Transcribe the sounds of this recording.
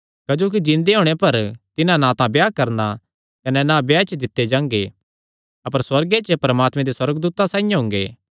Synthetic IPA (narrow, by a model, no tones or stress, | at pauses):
kɐd͡ʒoːk̬id͡ʒɪ̃nd̪eɦoːɽ̃epɐɾt̪ɪnãnãt̪ãbjaːkɐɾna | kɐnɛnabjaːɪt͡ʃʰd̪ɪt̪ːed͡ʒãːŋ̆ɡe | ɐpəɾswɐɾɡet͡ʃəpɐɾɐmaːt̪mẽd̪eswɐɾəɡd̪uːt̪asãːĩjãɦʊ̃ŋɡeː